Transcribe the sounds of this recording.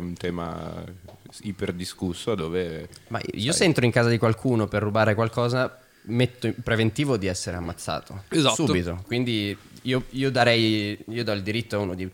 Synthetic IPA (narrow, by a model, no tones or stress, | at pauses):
unt̪ɛːma̰ | iperd̪iskusːoad̪oːvema̰iːosent̪ɾoiŋkaːzad̪ikwalkʰuːnoperːubaːɾekwalkɔːza | met̪ːopɾevent̪iːvod̪iɛsːeɾeamːat̪sːa̰ːt̪oezasuːbit̪okwind̪iiːoiːod̪aɾɛjiːod̪ɔild̪iɾit̪ːoaunod̪i